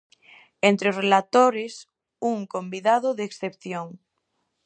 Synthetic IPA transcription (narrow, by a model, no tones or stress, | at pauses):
ent̪ɾeozrelat̪oɾes | uŋkõmbiðaðoðeksθepθjoŋ